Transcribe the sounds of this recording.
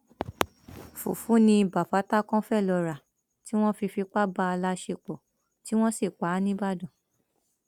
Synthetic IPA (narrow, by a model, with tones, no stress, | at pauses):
fṵ˨fu˨˦nĩ˧ba˨fa˨˦ta˦kɔ̃˦fɛ˦˨lɔ˨˧ɾa˨ | ti˦w̃ɔ̃˦fi˧fi˧k͡pa˦ba˧˦a˧la˦ʃe˧k͡pɔ˨ | ti˦w̃ɔ̃˦si˦˨k͡pa˨˦nĩ˦ba˦dɔ̃˨